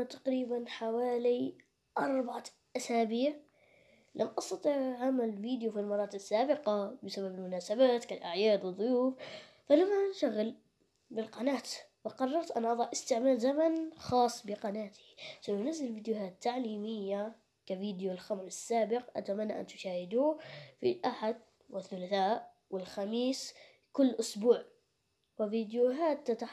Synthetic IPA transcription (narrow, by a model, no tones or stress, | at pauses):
t̪ɑ̥qɾiːbanħawaːli | ʔɑɾˤbaʕa | ʔasaːbiːʕ | lʔamːʔɑsˤt̪ɑt̪ˤiʕʕamalɪlviːd̪jufilmɑɾˤɑːt̪ɪɪsːaːbɪqɑbɪsababɪlmʊnaːsabaːt̪kalʔaʕjaːd̪wɨðˤːʊjuːf | falamːanʃaɣːɪl | bɪlqɑnaːt̪wɪqɑrˤːɑɾˤt̪ʔanʔɑðˤɑʕʔɪst̪ɪʕmaːlzamanxɑːsˤːbɪqɑnaːt̪ɪ̥sanːanazːalfiːd̪juhaːt̪ːaʕliːmɪjːa | kaviːd̪julxamɾɪsːaːbɪq̚ʔa̰t̪amanːa̰ʔa̰nt̪ʊ̥ʃaːhɪd̪uːfilʔaħad̪ | wɪθːʊlaθaːʔ | wɪlxamiːs | kʊlːʔʊsbuːʕ | wɪviːd̪juɦaːt̪ːat̪a